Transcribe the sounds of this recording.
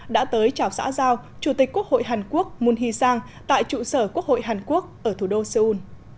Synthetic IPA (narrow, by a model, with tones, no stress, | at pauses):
ɗa̰ː˧˥t̪əː˨˦jt͡ɕaː˨˩wsa̰ː˧˥zaː˧wt͡ɕu˧˩t̪i˨˩k̟̚kːu˦˥ək̚ho̰˧˨jɦaː˨˩nku˦˥ək̚mu˧nɦi˧saː˧ŋ | t̪a̰ː˧˨jt͡ɕṵ˧˨səː˧˩ku˦˥ək̚ho̰˧˨jɦaː˨˩nku˦˥ək̚ʔəː˧˩t̪ʰu˧˩ɗo˧səː˧ʔu˧n